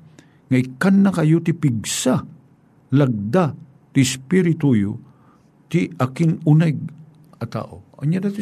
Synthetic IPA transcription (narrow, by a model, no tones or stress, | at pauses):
ŋaikanːakɐjot̪ipiɡ̚sa | laɡ̚d̪a | t̪ɪɪspiɾɪt̪ujo | t̪iakɪnunaɡ̚ | ɐt̪a̰ːʔo̰ɐ̰ɲad̪at̪